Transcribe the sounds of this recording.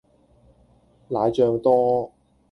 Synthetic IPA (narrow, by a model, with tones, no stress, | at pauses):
laː˨˧jt͡ʃœː˧ŋt̪ɔː˥